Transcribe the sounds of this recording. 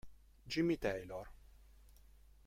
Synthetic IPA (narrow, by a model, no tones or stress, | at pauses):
d͡ʒimit̪ɛjlɔɾ